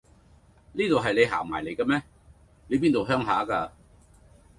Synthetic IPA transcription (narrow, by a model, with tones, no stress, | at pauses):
liː˥t̪o˨wɦɐ˨jle˨˧jɦa̰ː˨˩maː˨˩jle˨˧jkɐː˧mɛː˥ | le˨˧jp̬iː˥nt̪o˨wɦœː˥ŋɦa̰ː˨˥kaː˧